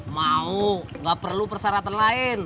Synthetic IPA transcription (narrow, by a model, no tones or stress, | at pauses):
mauŋɡapərlupərsaɾat̪anlaɪn